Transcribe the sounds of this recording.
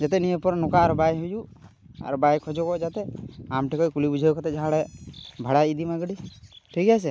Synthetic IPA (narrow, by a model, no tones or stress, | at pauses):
d͡ʒat̪ɛnijepɔɾnɔkaaɾbajɦuju | a̰ɾbajkʰɔd͡ʒɔkɔʔd͡ʒat̪ɛamʈɛkɔjkulibud͡ʒʱajukat̪ɛd͡ʒaɦaɽɛbʱaɽaid̪imaɡɽiʈʰiɡas̬ɛ